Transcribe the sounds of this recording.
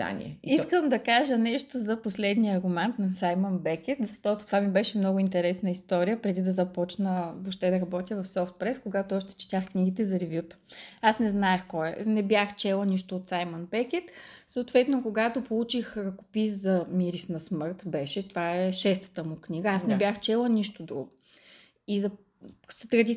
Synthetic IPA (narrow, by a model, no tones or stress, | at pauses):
a̰nʲḭɛ̰iskəmd̪ɐkaʒənɛʃt̪ozɐposlɛd̪nijəɐɾɡʊmɛnt̪nɐsajmənbɛkʲɛt̪zɐʃt̪ɔt̪ʊ̥t̪ovamibɛʃɛmnɔɡʊint̪ɛɾɛsnəist̪ɔɾijəpɾɛd̪id̪ɐzɐpɔt͡ʃnəvoʃt̪ɛd̪ɐɾɐbɔt̪ʲjəvɐfsɔft̪̚pɾɛskoɡat̪oɔʃt̪ɛ̥t͡ʃi̥t̪axkniɡ̟it̪ɛzɐɾɛvjut̪ə̥asnɛznaɛxkɔɛnɛbʲjaxt͡ʃɛlˠəniʃt̪oːt̪sajmənbɛkʲɛt̪soʊt̪vɛt̪nokoɡat̪opolˠut͡ʃixɾɐkʊ̥piszɐmiɾisnɐsmɤɾt̪bɛʃɛt̪ovaɛʃɛst̪ə̥t̪əmʊknʲiɡəasnɛbʲjaxt͡ʃɛlˠəniʃt̪od̪ɾṵɡʊ | izɐ | sət̪ɾɐd̪i